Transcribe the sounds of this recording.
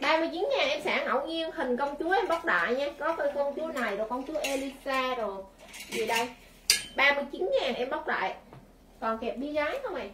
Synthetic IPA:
ɓaː˧mɨ˧əjt͡ɕi˨˦nŋaː˨˩nʔɛ˧msaː˧˩ŋʔə̰˧˨wɲi˧ənhï˨˩ŋ̟kə˧wŋ͡mt͡ɕu˨˦əʔɛ˧mɓa˦˥wk͡p̚ɗa̰ː˧˨jɲaː˧˦kɔ˨˦təː˧jkɔ˧nt͡ɕu˨˦na˨˩jzo˨˩kɔ˧wnt͡ɕu˨˦ʔe˧li˧saː˧zo˨˩jzi˨˩ɗə˧j | ɓaː˧mɨ˧əjt͡ɕi˨˦nɲaː˨˩nʔɛ˧mɓa˦˥k͡p̚ɗa̰ː˧˨j | kɔ˨˩nkɛ˨˩p̚ɓi˧zaː˨˦jxə˧wŋ͡mʔa˨˩j

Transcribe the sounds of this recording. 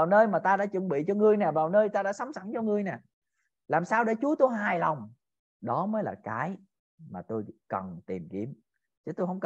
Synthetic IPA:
aː˨˩wnəː˧jmaː˨˩t̪aː˧ɗa̰ː˧˥t͡ɕɨ̰˧˩ŋɓḭ˧˨t͡ɕɔ˧ŋɨ˨˧əjnɛː˨˩vaː˨˩wnəː˧jt̪aː˧ɗa̰ː˧˥sa˨˦wŋ͡msa˧˩ŋt͡ɕɔ˧ŋɨ˧əjnɛ˨˩ | laː˨˩msaː˧wɗḛ˧˥t͡ɕu˨˦ət̪o˧jɦaː˨˩jla˨˩wŋ͡m | ɗɔ˨˦məː˨˦jlaː˨˩kaː˨˦j | maː˨˩t̪o˧jkə˨˩nt̪ḭ˨˩mki˧˦əm | t͡ɕə˨˦t̪o˧jɦə˧wŋ͡mk

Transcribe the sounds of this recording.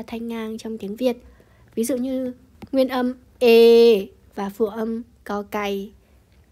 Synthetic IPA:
t̪ʰa˧jŋ̟ːaː˧ŋt͡ɕɔ˧wŋ͡mt̪i˨˦əŋvi˨˩ət̚ | vi˨˦zṵ˧˨ɲɨ˧ | ŋwi˧ənʔə˧m | ʔe˧˩ | vaː˨˩fṵ˧˩əʔə˧m | kɔ˨˦ka˨˩j

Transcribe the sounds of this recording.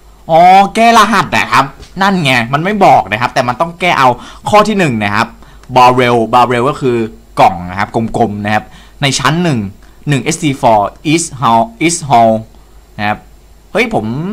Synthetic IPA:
ʔɔː˧˦kɛː˥˩laː˧ɦa˨˩t̪̚ʔa̰˨˩kʰa˦˥p̚na˥˩nŋa˧˩ma˧nma˥˩jbɔː˨˩k̚na˦˥kʰa˦˥p̚t̪ɛː˨˩ma˧nt̪ɔ˥˩ŋkɛː˥˩ʔa˧wkʰɔː˥˩t̪ʰiː˥˩nɯ˨˩ŋna˦˥kʰa˦˥p̚ | bɔː˧ɾe˧wbaː˧ɾe˧wkɔː˥˩kʰɯː˧kɔ˨˩ŋna˦˥kʰa˦˥p̚ko˧mko˧mna˦˥kʰa˦˥p̚ | na˧jt͡ɕʰa˦˥nːɯ˨˩ŋ | nɯ˨˩ŋʔe˦˥st̪iː˧fɔː˧ʔi˦˥sɦa˧ʔi˦˥sɦɔː˧w | na˦˥kʰa˦˥p̚ | hɤ˦˥jpʰo˩˦m

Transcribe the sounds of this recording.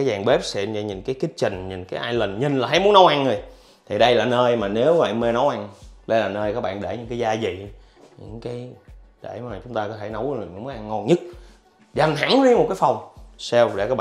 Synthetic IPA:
aː˨˦jzaː˨˩ŋɓe˦˥p̚sɛ̰˧˥ɲə˧˩ɲi˨˩nkaː˨˦jki˨˦˥t̚t͡ɕï˨˩ŋ̟ɲi˨˩nkaː˨˦jʔaː˧jlə˨˩nɲï˨˩ŋlaː˨˩ɦa˨˦jmu˨˦ə˦nːə˨˦wʔa˧ŋːɨ˨˩ | t̪ʰi˨˩ɗə˧jlaː˨˩nəː˧jmaː˨˩ne˨˦wva̰˧˨me˧nə˨˦wʔa˧ŋɗə˧jlaː˨˩nəː˧jkaː˦˥k̚ɓa̰ː˧˨nɗe˧˩ɲɨ˧ŋkaː˨˦jzaː˧zḭ˨˩˨ | ɲɨ̰˧˥ŋkaː˨˦j | ɗe˧˩mː˨˩t͡ɕʊ˨˦ŋ͡mt̪aː˧kɔː˨t̪ʰe˧˩no˨˦wɲ̰˨˧˦mː˨˦ʔa˧ŋŋɔ˧nɲɨ˦˥t̚ | za˨˩mt̪ʰa˧˩˦ŋzi˧mo˨˩t̚kaː˨˦jfa˨˩wŋ͡msɛ˧wɗḛ˧˩kaː˦k̚ɓ

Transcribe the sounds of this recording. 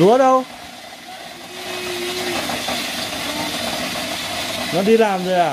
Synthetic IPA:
u˨˦əɗə˧w | nɔ˨˦ɗi˧laː˨˩mzo˨˩jʔaː˨˩

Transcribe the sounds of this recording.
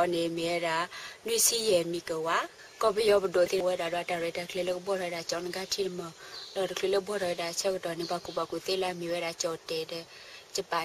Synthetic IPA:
ɔ˨ne˨mi˨ɛ˦ɾa˨nu˦i˦si˦jɛ˨mi˨kə˨wa˦ | kɔ˦bɪ˦jɔ˦bʊ˨do˨t̪e˦wɛ˦da˨dwa˨˧ta˨ɾɛ˨ta˨kle˦le˦kbɔ˦ɾɔ˨˦ɾa˨t͡ʃɔ˨˦nɡa˦tʰi˦ɾmə˨lɔ˨ɾkle˦le˦bʷɔ˦ɾɔ˨ɛ˨da˨t͡ʃɛ˦bɔ˨tɔ˨nɪ˦ba˨ku˨ba˨ku˨te˦la˦mi˨wɛ˦ɾa˨t͡ʃɔ˨tɛ˨dɛ˦ | t͡ʃɪ˦ba˨

